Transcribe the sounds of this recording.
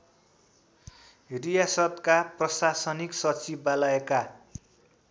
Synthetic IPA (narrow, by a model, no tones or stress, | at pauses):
rijasʌt̪kaprʌsasʌniksʌt͡sibalʌeka